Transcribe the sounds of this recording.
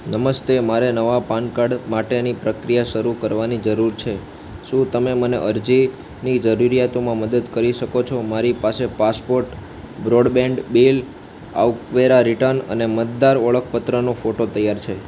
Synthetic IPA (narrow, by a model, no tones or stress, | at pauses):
nəməst̪emaɾenəʋapankaɽmaʈenipɾəkɾijaʃəɾukəɾʋanid͡ʒəɾuɾt͡ʃʰe | ʃũt̪əmeməneʔəɾd͡ʒi | nid͡ʒəɾuɾijat̪omãməd̪əd̪kəɾiʃəkot͡ʃʰomaɾipasepaspoɾʈ | bɾoɽbɛ̃ɳɖbil | a̰wkʋeɾaɾiʈəɾnə̰nemət̪̚d̪aɾʋəɭək̚ʰpət̪ɾənofoʈot̪əjaɾt͡ʃʰe